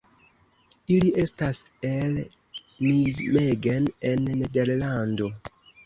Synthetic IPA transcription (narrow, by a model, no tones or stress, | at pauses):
iliʔe̞stasel | nizmeɡenenːedeɾlando̞